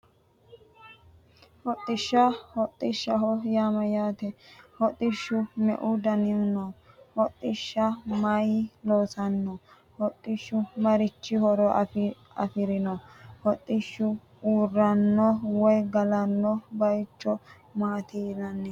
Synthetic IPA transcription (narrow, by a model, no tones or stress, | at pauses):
hɔt̪ʼːɪʃːɐhɔt̪ʼːɪʃːɐɦɔjaːmɐjaːt̪ɛhɔt̪ʼːɪʃːʊmɛ̰ʔʊd̪ɐnɪʊnɔ | hɔt̪ʼːɪʃːɐmɐjloːsɐnːɔ | hɔt̪ʼːɪʃːʊmɐɾɪt͡ʃːɪhɔɾɔ | ɐ̰fɪɾɪnɔhɔt̪ʼːɪʃːʊ | uːrːɐnːɔwɔjɡɐlɐnːɔbɐjt͡ʃːɔ | maːt̪inɐnːɛ